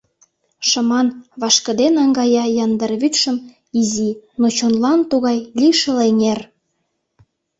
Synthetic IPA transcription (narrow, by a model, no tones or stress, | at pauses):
ʃə̆mɑnβɑʃkə̆d̪enɑŋɡɑjɑjɑnd̪ərβyt̪ʃə̆m | izinot͡ɕonlɑnt̪uɣɑjlʲiʃə̆leŋer